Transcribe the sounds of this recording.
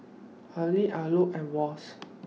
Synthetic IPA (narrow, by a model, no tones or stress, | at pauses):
aliʔaloʔɛwɔs